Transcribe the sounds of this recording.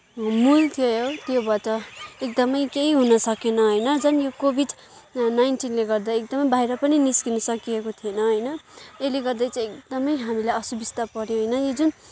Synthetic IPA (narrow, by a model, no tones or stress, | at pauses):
mult̪ʰijojot̪jobʌtʌekd̪ʌmʌjkeɦiɦunʌsʌkenʌɦʌjnʌd͡zʌnjokobʱiɖ | najnʈinleɡʌrd̪aek̚d̪ʌmʌjbʱajɾʌpʌniniskinʌsʌkiekot̪ʰienʌɦʌjnʌeleɡʌrd̪ajt͡sãj̃ek̚d̪ʌmʌjɦamilajʌsubist̪ʌpʌɾjoɦʌjnʌjod͡zun